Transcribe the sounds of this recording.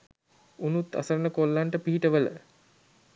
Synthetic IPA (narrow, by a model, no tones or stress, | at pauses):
unut̪ːa̰səɾənəkolːaɳʈəpiɦiʈəʋələ̰